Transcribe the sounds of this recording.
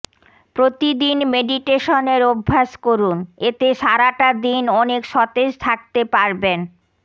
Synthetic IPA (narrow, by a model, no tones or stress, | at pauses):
pɾot̪id̪inmeɖiʈeʃoneɾobʱːaʃkoɾunet̪eʃaɾaʈad̪inɔnekʃɔt̪ed͡ʑt̪ʰak̚t̪epaɾben